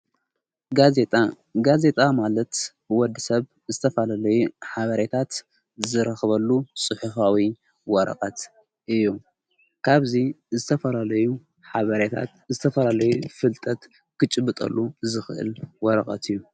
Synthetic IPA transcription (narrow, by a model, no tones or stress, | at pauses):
ɡazet̪ʼa | ɡaze̞t̪ʼamalɐt̪b̥ɨwɔd̪ːɨsɐβ | zɨt̪ʰɐfɐlalɐjuħaβɐɾet̪ʰat̪ | zɨɾɐxβɐlːusʼɨħufawi | wɔɾɐ̰qʼat̪ | ʔɨjːu | kʰaβzi | zɨt̪ʰɐfɐlalɐju | ħaβɐɾet̪ʰa̰t̪ | zɨt̪ʰɐfɐlalɐjufɨlt̪ʼɐt̪ | kʰɨt͡ʃʼɨbːɨt̪ʼɐ̰lːuzɨxɨʔɨ̰lwɔɾɐkʼa̰t̪ʰɨjːu